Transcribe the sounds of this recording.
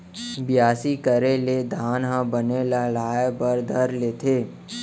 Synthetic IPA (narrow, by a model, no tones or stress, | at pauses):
bɪjaːsikəɾeled̪ʱaːnɦãbəneləɦlaːebəɾd̪ʱəɾleːt̪ʰeː